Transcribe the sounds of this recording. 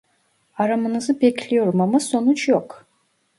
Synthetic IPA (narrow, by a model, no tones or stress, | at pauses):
aɾamɯnɯzɯbɛcʰlʲijo̞ɾumamaso̞nut͡ʃʰjok